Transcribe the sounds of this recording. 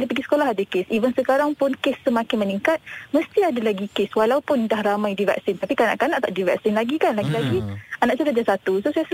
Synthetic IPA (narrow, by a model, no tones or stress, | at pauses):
lipaɡisə̥kolaɦadakesivənsəkaɾaŋpʊnkesːəmãkɪnməniŋkat̪̚məst̪iadalaɡikeswalaupʊndahramajdivɛ̰ksɪnt̪apikana̰ʔkanaʔt̪aʔdivɛ̰k̚sɪnlaɡikanlaɡilaɡianãʔsuɾad͡ʒasat̪usosajas